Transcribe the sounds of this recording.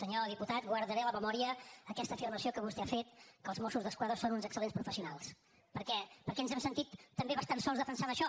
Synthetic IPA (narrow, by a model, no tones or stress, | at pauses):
səɲoðiput̪at̪ɡwəɾðəɾɛələməmɔɾiəːkɛst̪əfiɾməsiokəβust̪eafet̪kəlˠzmosuzðəskwaðɾəsonunzəksəlenspɾufəsiunalˠs | pəɾkɛpəɾkɛənzɛmsənt̪it̪ːəmbeβəst̪ansɔlˠzðəfənsanəʃɔ